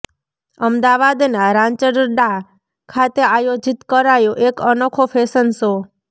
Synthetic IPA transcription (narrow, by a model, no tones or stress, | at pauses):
əmd̪aʋad̪naɾãɲt͡ʃəɖəɾɖa | kʰat̪eajod͡ʒit̪kəɾajoʔekənokʰofʰesənso